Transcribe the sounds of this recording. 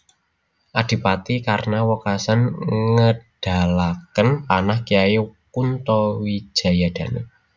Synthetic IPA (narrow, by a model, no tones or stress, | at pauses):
ʔad̪̥i̤pat̪ikaɾənawɔkasanŋəɖ̥a̤lakənpanahkiajekunt̪ɔwi̥ʒ̥a̤jad̪̥ä̤nḛ